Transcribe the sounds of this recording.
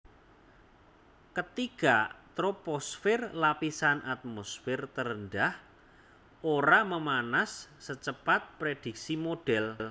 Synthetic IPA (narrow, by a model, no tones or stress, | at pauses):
kət̪ikat̪ɾoposfɪrlapisanʔat̪̚mosfɪrt̪əɾənɖah | oɾaməmanasːət͡ʃəpat̪̚pɾed̪̥ik̚simoɖ̥ɛll